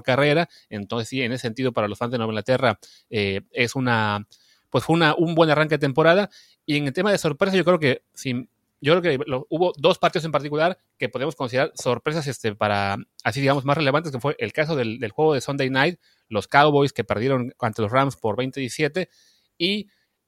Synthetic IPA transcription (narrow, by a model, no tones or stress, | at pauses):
ɾkare̞ɾa | ent̪onsesienesesent̪iðo̞paɾalosfanzenoeŋɡlat̪e̞ra | ee̞suna | pwesfweunaʔumbwe̞naraŋke̞ðet̪empo̞ɾaða | ieŋelt̪e̞maðe̞so̞ɾpɾe̞s̬aʝo̞kɾe̞oke̞ | sin | ɟ͡ʝo̞kɾeokelouβo̞ðo̞spaɾt̪iðose̞mpaɾt̪ikulaɾ | kepo̞ðemoskonsiðɾaɾso̞ɾpɾe̞sas̬est̪e̞paɾaasiðiɣamo̞zmasreleant̪ekomofweʔelkas̬o̞ðe̞ld̪elxwe̞ɣo̞ðesond̪ejnajt̪̚ | lo̞skawβo̞jske̞pe̞ɾðje̞ɾo̞ŋant̪e̞losramspoɾβe̞jnt̪eisje̞t̪e | i